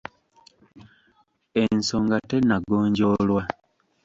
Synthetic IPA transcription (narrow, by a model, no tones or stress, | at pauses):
ensoŋɡatenaɡoːɲɟolwa